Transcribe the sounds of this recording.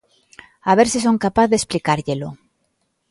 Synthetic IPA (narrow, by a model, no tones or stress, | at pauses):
aβ̞eɾsis̬oŋkapaθðesplikaɾʎelʊ